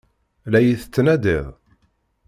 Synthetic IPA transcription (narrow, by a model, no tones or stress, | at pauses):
læjiθət͡sːnæd̪iðˤ